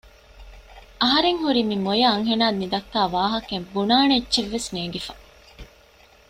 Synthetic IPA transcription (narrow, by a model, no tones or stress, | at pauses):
ʔɐɦɐɾeŋhuɾimimojɐɐŋɦenaːd̪nid̪ɐkːaːʋaːɦɐkembunaːneːtt͡ʃːʃeʋːesneːɡifɐ